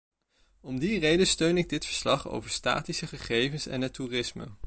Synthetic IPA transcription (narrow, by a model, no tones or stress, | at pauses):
ɔmdirejdəstøɥnɪɡ̚dɪtfəɹslɑχo̰wvəɹsta̰ːtisəχəχejvənsɛ̰nɦɛturɪsmə̰